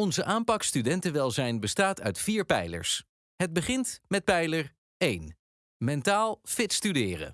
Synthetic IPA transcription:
ɔnzəʔaːmpɑkstydɛntəʋɛlˠzɛjnbəstaːtœ̰ɥtfiːɹpɛjlə̰ɹs | ɦəd̚bəχɪntmɛt̚pɛjləɹ | ejn | mɛntaːlˠfɪtstydɪːrə̰

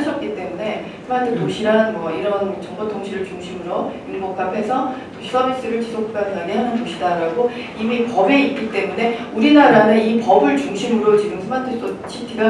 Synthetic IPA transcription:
ɕʰʌt̚k͈it͈e̞mune̞ | sʰɯmatʰɯtoɕʰiɾanmʌiɾʌnt͡ɕʌŋbʌtʰoŋɕʰiɾɯɭt͡ɕuŋɕʰimɯɾoiɾmʌk͈̚apʰe̞sʰʌtoɕʰis͈ʰʌbis͈ɯɾɯɭt͡ɕisʰok̚k͈ananeɦanɯntoɕʰidaɾaɡo | imipʌbe̞it̚k͈it͈e̞mune̞ | uɾinaɾanɯnipʌbɯɭt͡ɕuŋɕʰimɯɾot͡ɕiɡɯmsʰɯmatʰɯs͈ʰot͡ɕʰitʰiɡa

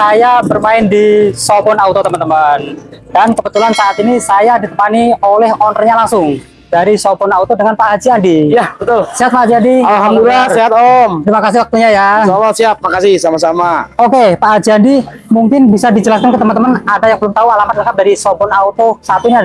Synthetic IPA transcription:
sajabərmaɪndisobɔnaut̪ot̪əmənt̪əməndankəbət̪ulansaʔːt̪inisajadit̪əpaniolɛhonərɲalaŋsʊŋ | daɾisobɔnaut̪odəŋanpaʔɦad͡ʒiandijabət̪ʊlsiɦat̪̚paad͡ʒiandialɦamdulilasiɦat̪ɔmɾimakasɪhwak̚t̪uɲajasalːɔsiat̪̚ːmakasɪhsamasamaokepaʔɦad͡ʒiandi | muŋkɪnbisadid͡ʒəlaskankət̪əmənt̪əmanadajaŋbəlʊmt̪aualamat̪̚lakap̚daɾisobɔnaut̪osaːt̪iniad

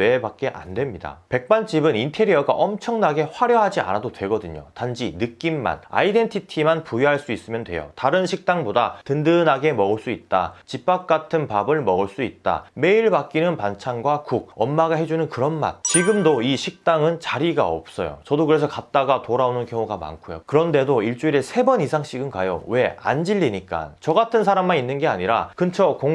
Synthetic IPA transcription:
e̞bak̚k͈e̞ʔa̰ndwe̞mɲida̰pe̞k̚p͈ant͡ɕ͈ibɯnintʰe̞ɾiʌɡa̰ʔʌmt͡ɕʰʌŋnaɡe̞ɸwaɾjʌɦad͡ʑia̰nadodwe̞ɡʌdɯɲo̰tand͡ʑinɯk͈imːa̰na̰ide̞ntʰitʰimanpujiɦaɭs͈uis͈ɯmjʌndwe̞̰jo̰taɾɯnɕʰik̚t͈aŋbodatɯndɯnaɡe̞mʌɯɭs͈uit̚t͈a̰t͡ɕipp͈ak̚k͈atʰɯnpabɯɭmʌɯɭs͈uit̚t͈a̰me̞iɭbak̚k͈inɯnpant͡ɕʰanɡwakuɡ̚ʌnmaɡaɦe̞d͡ʑunɯnkɯɾʌnma̰nt͡ɕiɡɯmdoiɕʰik̚t͈aŋɯnt͡ɕaɾiɡa̰ʌ̰p̚s͈ʌ̰jo̰t͡ɕʌdokɯɾe̞sʰʌkat̚t͈aɡatoɾaonɯnkjʌŋuɡama̰nkʰujo̰kɯɾʌnde̞doiɭt͡ɕ͈uiɾe̞sʰe̞bʌnisʰaŋɕ͈iɡɯnkajo̰we̞a̰nd͡ʑiʎːiɲik͈a̰nt͡ɕʌɡatʰɯnsʰaɾamːaninːɯnɡe̞a̰ɲiɾakɯnt͡ɕʰoko

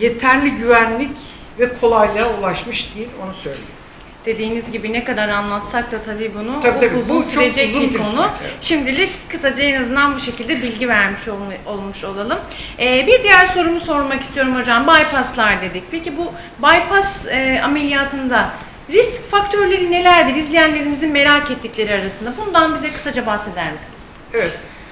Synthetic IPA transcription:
je̞t̪ʰæɾlʲiɟyvænlʲic | vɛkʰo̞lˠajlˠaːulˠaʃmɯʃd̪ijilʲo̞nusøjlʲḛjo | d̪̥e̞d̪iːnizɟibinɛkad̪aɾanlˠat̪sak̚t̪at̪ʰabiːbunuaabiuzunst͡ʃyɾed͡ʒɛzbikʰo̞nʊʃimd̪ilʲɪckʰɯsad͡ʒaenazɯnd̪anbuʃe̞cʰilʲd̪ɛbilʲɟivæɾmiʃoo̞lˠmuʃo̞lˠalˠɯmɛːbiɾd̪ijæɾso̞ɾumuso̞ɾmakist̪ijoɾumho̞d͡ʒambajpʰast̪lˠaɾd̪e̞d̪ic̚pʰe̞cibu | bajpʰasame̞lʲijaːt̪ʰɯnd̪a | ɾiscfakt̪ʰøɾlʲe̞ɾine̞lʲæɾd̪iɾizlʲijænlːʲe̞ɾimizinme̞ɾaːkɛt̪ːiclʲe̞ɾiaɾasɯnd̪abunud̪anbizɛkʰɯ̥sad͡ʒabahse̞d̪æɾmisiniz̥ɛvɛt̪

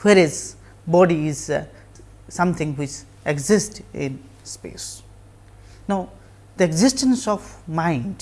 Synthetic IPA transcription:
weɾez | bɔɖiiz | sʌ̃mt̪ʰɪ̃ŋwit͡ʃ | eɡzɪsʈɪ̰̃n | spḛs | naʊ | d̪̥əeɡzɪsʈə̃nsɔfmãɪ̃nɖ

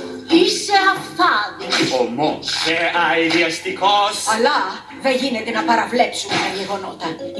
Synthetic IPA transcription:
iseɐfθɐðiomoseɐiðiɐst̪ikosɐlɐ | ðeʝinet̪e̞nɐpɐɾɐvle̞psumet̪ɐʝe̞ɣo̞no̞t̪ɐ

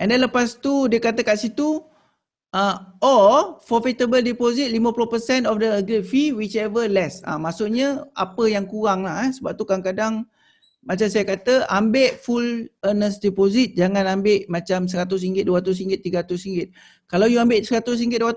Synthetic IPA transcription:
ʔɛndɛnləpast̪udiəkat̪əkaʔsit̪u | ʔəɔfɔfit̪əbəldipozit̪̚limə̃puluhpəsɛnɔfdəəɡɾifiwit͡ʃɛvəlɛsa̰maʔsʊʔɲəa̰pəjaŋkuɣaŋlahɛsəbap̚t̪ukaaŋkadaŋ | mat͡ʃamsajakat̪əʔambeʔfulənəsdɛpozit̪̚d͡ʒaŋãnambeʔmat͡ʃams̬əɾat̪̬ʊs̬iŋɡɪt̪̚duaat̪̬ʊs̬iŋɡɪt̪ːiɡaɾat̪ʊsiŋɡɪt̪̚ | kalawjuambɪʔsəɾat̪ʊs̬iŋɡɪt̪̚dua

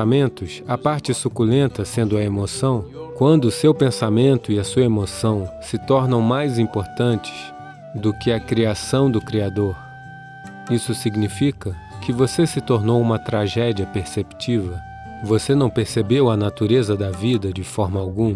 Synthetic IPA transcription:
amẽnt̪ʊsɐpaɾt͡ʃɪsukulẽnt̪ɐsẽnd̪ʊɐemosɐ̃w̃kwɐ̃nd̪ʊːsewpẽsamẽnt̪ʊɪɐsuɐemosɐ̃w̃sɪt̪ɔɾnɐ̃w̃majzĩpoɾt̪ɐ̃nt͡ʃɪ̥s | d̪ʊkɪɐkɾiasɐ̃w̃d̪ʊkɾiad̪oɾ | isʊsiɡnifikɐ | kɪvosesɪt̪oɾnowũmɐt̪ɾaʒɛd͡ʒiɐpeɾsept͡ʃivɐ | vosenɐ̃w̃peɾsebewɐnat̪uɾezɐd̪ɐvid̪ɐd͡ʒɪfɔɾmɐawɡũm

